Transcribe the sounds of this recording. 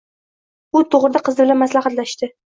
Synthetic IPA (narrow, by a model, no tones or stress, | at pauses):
ʊt̪ʰoʁɾɪd̪aqʰɨzɪbɪlanmaslɑχɑt̪laʃt̪ɪ